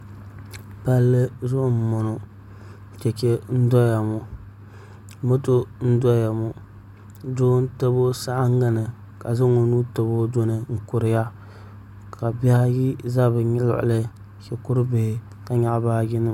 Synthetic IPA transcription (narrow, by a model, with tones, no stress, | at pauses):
pa˦lːɨ˦zʊ˦ʔʊ˨m̩˨mo˨nʊ˨ | t͡ʃɛ˨t͡ʃe˦n̩˦dɔ˦ja˨mʊ˨ | mo˦to˦n̩˦dɔ˦ja˨mʊ˨ | do˦n˦to˦bo˦sa˦ʔa˦ŋːa˦nɨ˨ | ka˨zɨ˦ŋo˦nuː˦to˨bo˦do˦nɨ˨ŋ̩˨kʊ˨ɾɪ˨ja˦ | kʰa˨bi˦ha˦ji˦za˦bɨ˨ɲɪ˦lʊ̰˨ʔʊ̰˨lɨ˦ | kɛ˨kʊ˦ɾɨ˦bɪ˨hɪ˨ | ka˨ɲa˨ʔbaː˦jɪ˦nɨ˦